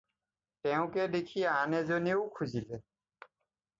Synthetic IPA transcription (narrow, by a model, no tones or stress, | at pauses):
tɛʊ̃kɛdekʰianɛzoniʊkʰuzilɛ